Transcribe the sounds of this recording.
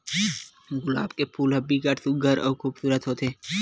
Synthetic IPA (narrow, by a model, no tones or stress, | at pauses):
ɡʊla̰ːbkepʰuːlɦəbikəʈsuɡʱəɾɔːkʰuːbsuːɾət̪ɦoːt̪ʰeː